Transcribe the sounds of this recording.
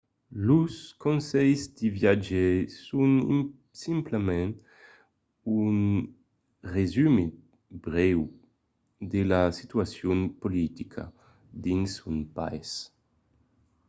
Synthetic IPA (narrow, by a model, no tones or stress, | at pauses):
luskonsɛjzd̪ivjad͡ʒesunḭ | simplemɛn | un | rezyme | bɾɛw | d̪elasit̪ɥasjunpolit̪ikʰa̰ | d̪insunpa̰js